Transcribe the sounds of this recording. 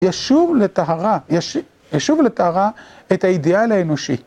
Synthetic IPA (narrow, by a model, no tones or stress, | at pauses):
jaʃuvlet̪aɦaʁajaʃ | jaʃuvlet̪ahaʁa | ethaid̪ialaeno̞ʃḭ